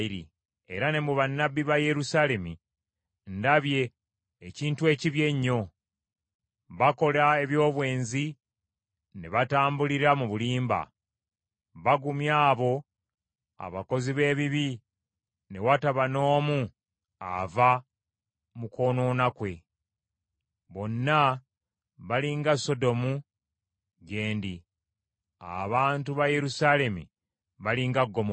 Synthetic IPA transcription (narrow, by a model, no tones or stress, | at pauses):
iɾḭ | eɾane̞muβanːabːiβaje̞ɾusale̞mi | ndaβje̞ː | ciːntue̞ːciβje̞ɲːo̞ | βako̞lae̞βjo̞ːβwe̞ːnzi | ne̞βataːmbuliɾamuβuliːmba̰ | βaɡumjaːβo̞ | a̰βako̞ziβe̞ːβiβi | ne̞wataβano̞ːmu | a̰va | muko̞no̞ːnakwe̞ | βo̞nːa | βaliŋɡaso̞do̞mu | ɡe̞ːndi | a̰βaːntuβajeɾusaːle̞mḭ | βaliŋɡaɡːo̞mo